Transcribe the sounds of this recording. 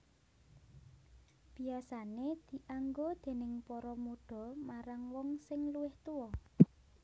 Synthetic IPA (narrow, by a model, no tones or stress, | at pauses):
b̥iasaned̪̥i̤ʔaŋɡod̪̥e̤nɪŋpɔɾɔmuɖ̥ɔ̤maɾaŋwɔŋsɪŋluwɪht̪uwɔ